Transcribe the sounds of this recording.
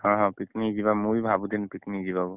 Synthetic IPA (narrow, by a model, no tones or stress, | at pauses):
hɔ̃ɦɔ̃piknizibamũjbʱabud̪inpik̪nizibabu